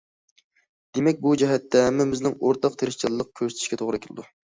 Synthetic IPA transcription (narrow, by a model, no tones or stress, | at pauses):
d̪̥emɛk̚ʲbud͡ʒɛɦɛt̪ːɛɦæmɪmɪznɪŋoɾt̪ʰɑq̚t̪ʰeɾɪʃt͡ʃʰɑlˠlːˠəq̚kʲʰøsɪt̪ʰɪ̥ʃkʲɛt̪ʰoʁɾɨkʲʰɪlˠɨ̰d̪u